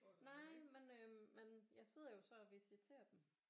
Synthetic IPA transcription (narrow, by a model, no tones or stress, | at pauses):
nɑɪ̰menømenjɑ̈ɪse̝ð̞̰ˠɐjo̝sɒ̽ɒʋisit͡sʰe̝̰ːɐd̥em